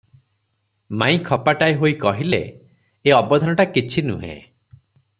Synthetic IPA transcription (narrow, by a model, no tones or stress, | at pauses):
maj̃kʰɔpaʈaeɦojkɔɦilḛː | ɔbɔd̪ʱɔnɔʈakit͡ʃʰinṵɦḛ̃